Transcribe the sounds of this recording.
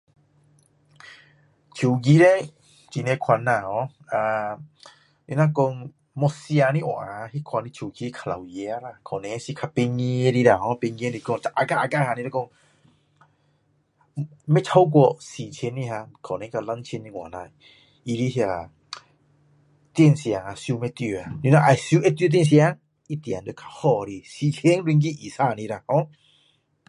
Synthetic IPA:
t͡ɕʰu˨ɡi˧˦ɾɛ˦ | t͡ɕi˨nɛ˧kʰwa˧˨nːa˧˨hɔ̃˨˧˦ | a˧ | ji˧˦na˦˧kɔ˧ŋ | mɔ˧si˧a˧ni˧˦ʔɔ̰˨ʔa˨hi˦kʰwa˧˨ni˧t͡ʃʰu˨˩ki˧˦kʰa˨la˨wjɛ˧˦a˦ɾa˧˨kʰɔ˨nɛ˨˧˦si˧kʰa˧pe˧ŋi˧e˧ɾi˧da˧˨hɔ̃˨˦pe˧ŋi˧˦ni˧˨kɔ˧ŋ˨t͡ʃa˧˨ʔa˧ɡa˦˧ʔa˧ɡa˦˧ha˧ni˧ɾɛ˦kɔ˧ŋ | mɛ˦t͡ʃʰa˧˦wk̬wɔ˧˨ʔsi˨t͡ʃʰe˧˦nːi˧ɦa˧kʰɔ˨nɛ˨˧˦kʰa˧la˧˦nt͡ʃʰi˧˦ni˧ŋwa̰˨na˧˨ | i˧ɾi˦ɦi˧a˨˩ | t̪i˧˨nsi˧˨a˨ŋa˧˨sju˧˦mɛ˧t̪y˧˨a˨ni˧˦na˧˨ʔa˨˩sju˧˦ʔɛ˧˦t̪jt̪̬i˧˨ns̬i˧a˧˦ŋ | ʔi˧t̪ja˨ndo˧˨˦kʰḁ˧hɔ˧˨ɾi˧˨si˧˨t͡ʃʰe˧˦ŋlwi˧ŋk̬i˧˦ʔi˨sa˧˨ni˧˦ɾa˧˨hɔ̃˧˦

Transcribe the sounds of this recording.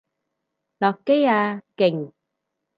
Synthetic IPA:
lɔ˨˩kkːe˦˥ja˧kɪ˨˩ŋ

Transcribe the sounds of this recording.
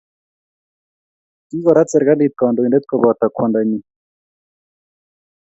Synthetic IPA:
i˦ɡɔ˨ɾa˦t͡sɛ˨ɾɡa˦li˦t̪̚kɔ˨ndo˨i˨ndɛ˦t̪̚kɔ˨bɔ˨t̪a˨kʰwɔ˨nda˨ɲi˦

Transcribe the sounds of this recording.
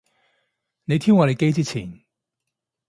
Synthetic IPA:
ne˨˧jt̪ʰiː˥wŋɔː˨˧le˨˧jke˥jt͡siː˥t͡sʰḭː˨˩n

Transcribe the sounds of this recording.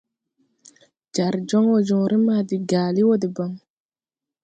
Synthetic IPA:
d͡ʒa˨ɾd͡ʒɔ˦ŋwod͡ʒɔ˨ɾi˦madi˨ɡaːli˦wo˦di˨bɔ˨ŋ

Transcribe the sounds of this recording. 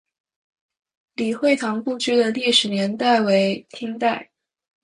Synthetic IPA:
li˨˩xwe˥˩ɪt̪ʰɑ˧˥ŋpu˥˧t͡ɕy˥d̪ə˨li˥˩ʂɻ̩˨˧˥njɛ˧˥nt̪a˥˩ɪwe˧˥ɪt̪ʰi˥ŋt̪a˥˩ɪ

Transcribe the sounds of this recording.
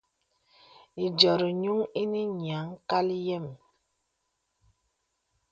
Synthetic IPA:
i˨d͡ʒɔ˨ɾi˨ɲu˦ŋi˦ni˦ɲ˨a˨˦ŋka˦li˦jɛ˦˨m

